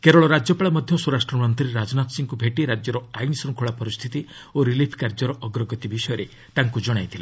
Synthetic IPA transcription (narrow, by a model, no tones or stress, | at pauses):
keɾɔɭɔɾad͡ʒjɔpaɭamɔd̪ʱjɔsuɾasʈɾɔmɔnt̪ɾiɾad͡ʒɔnat̪ɔsiŋkubʱeʈiɾad͡ʒjɔɾɔajnsɔŋkʰoɭapɔɾist̪ʰit̪i | oɾilipʰkaɾd͡ʒɔɾɔʔɔɡɾɔɡɔt̪ibisɔjɔɾe | t̪aŋkud͡ʒɔɽ̃ajt̪ʰile